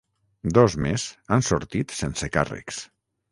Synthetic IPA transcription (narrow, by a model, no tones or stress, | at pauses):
d̪ɔzmesansoɾt̪it̪senseka̰rə̰ks